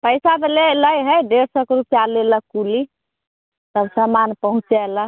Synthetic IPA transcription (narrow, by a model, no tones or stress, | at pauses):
pəjsab̪ʱeleləjɦəjɖeɾsɔkɾupjaleləkuli | t̪əbsəmanpəɦũt͡ʃalə